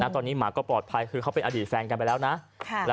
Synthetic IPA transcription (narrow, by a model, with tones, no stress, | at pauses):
na˦˥t̪ɔː˧nːiː˦˥˩maː˩˦kɔː˥˩plɔː˨˩t̪̚pʰa˧jkʰɯː˧kʰa˦˥wpe˧nʔaː˧diː˨˩t̪̚fɛː˧nka˧npa˧jlɛː˦˥wna˦˥ʔʰlɛː˦˥